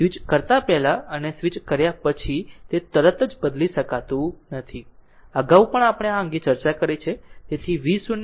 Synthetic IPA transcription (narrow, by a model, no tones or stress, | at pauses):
sʋit͡ʃkəɾt̪apɛɦlaənesʋit͡ʃkəɾjapət͡ʃʰit̪et̪əɾət̪əd͡ʒbəd̪liʃəkat̪ũnət̪ʰi | əɡaũpəɳapəɽ̃eaə̃ŋɡit͡ʃəɾt͡ʃakəɾit͡ʃʰet̪et̪ʰiʋisun